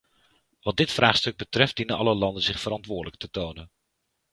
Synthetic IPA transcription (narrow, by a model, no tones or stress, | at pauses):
ʋɑd̚dɪtfraːχstɵɡ̚bətrɛftdinənɑləlɑndənzɪχfərɑntʋʊːɹdələk̚tətownən